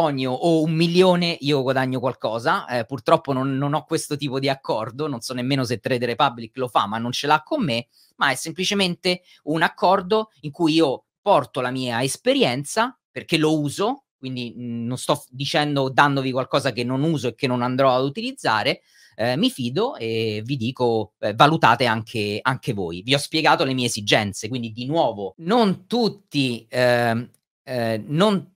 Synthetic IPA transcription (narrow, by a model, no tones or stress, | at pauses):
pɔɲːoʔoumːiljoːneʔiːoɡwad̪aɲːokwalkɔːzaɛpurt̪ɾɔpːononːonɔkːwest̪ot̪iːpod̪iakʰːɔrd̪ononsɔnːemːeːnos̬et̪ːɾed̪eɾepabliklofa̰manːont͡ʃelakːomːe | maɛsːemplit͡ʃement̪e | unakːɔrd̪oiŋkujiːo | pɔrt̪olamiːaespeɾjɛnt̪sa | perkelouːzo | k̚wind̪inonst̪ɔd̪it͡ʃɛnd̪od̪and̪ovikwalkɔːzakenːonuːzoekːenːonand̪ɾɔad̪ut̪ilid̪zːa̰ːɾe | mifiːd̪oevid̪iːkoɛvalut̪aːt̪eaŋkʰeaŋkevo̰ːjviɔspjeɡaːt̪olemiːeːzid͡ʒɛnt̪sekwind̪id̪inwɔːvonont̪ut̪ːi | non